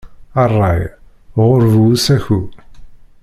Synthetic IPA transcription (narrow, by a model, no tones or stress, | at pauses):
ɑrˤːɑj | ʁʊɾvuwsæçu